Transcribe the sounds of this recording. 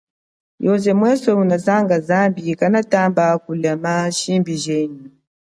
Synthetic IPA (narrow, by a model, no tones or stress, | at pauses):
jɔzɛmwɛsɔunazaŋɡazambikanataːmbakulɛmaʃimbiʒɛnu